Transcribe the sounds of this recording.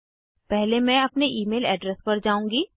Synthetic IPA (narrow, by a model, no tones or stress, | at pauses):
pɛɦlemɛ̃ɐpneʔiːmeːlɛ̰ːɖɾɛspɐɾd͡ʒaːũːŋɡiː